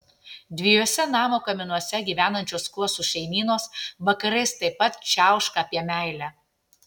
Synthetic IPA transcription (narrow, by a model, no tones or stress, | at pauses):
d̪ʲʋʲɪjoːsʲɛnɑːmoːkɐmʲɪnuɔsʲɛɡʲiːʋʲæːnɐnʲt͡ʃʲoːsklˠʊsuːʃʲɛɪmʲiːnoːsʋɐkɐɾɐɪst̪ɐɪpːɐt̪t͡ʃʲæˑʊʃkɐɐpʲiɛmʲæˑɪlʲæː